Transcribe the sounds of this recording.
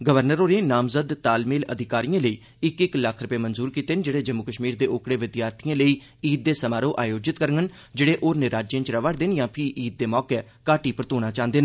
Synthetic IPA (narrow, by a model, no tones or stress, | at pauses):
ɡəʋəɾnəɾoːɾẽːnaːmzəd̪t̪aːlmeːlə̰d̪ʱɪkaːɾijãːləiː | ɪkɪkləkʰɾʊpeːmənzuːɾkiːt̪eːnd͡ʒeːɽeːd͡ʒəmːʊkəʃmiːɾd̪eːʔʊkɽeːʋɪd̪jaːɾt̪ʰɪjãːləiː | iːt̪̚d̪eːsəmaːɾõːʔaːjoːd͡ʒɪt̪kəɾŋən | d͡ʒeːɽeːʔoːɾnɪɾaːd͡ʒjẽːt͡ʃɾəʋaɽd̪eːnjãːpʰɪʔiːt̪̚d̪eːmɔːkɛː | kaːʈiːpəɾət̪oːnaːt͡ʃãːnd̪eːnː